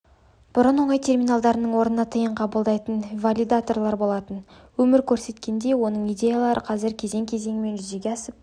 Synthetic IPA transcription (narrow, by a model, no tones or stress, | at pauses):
b̥ʊɾənwo̞ɴɑjt̪ʰʲe̞rmʲinalˠd̪ɑɾənəɴwo̞ɾnənɑt̪ʰəjəɴqʰɑbəlˠd̪ɑjt̪ənvalʲid̪at̪o̞rlˠɑɾbo̞lˠɑt̪ən | wɵmɪɾkʲʰɵɾse̞t̪kʲe̞nd̪e̞wo̞nəɴijd̪ʲe̞jalˠɑɾʔəqʰɑzɪɾkʲʰe̞ze̞ŋkʲʰe̞ze̞ŋɪme̞nʒʏze̞ɡʲeɑsəp̚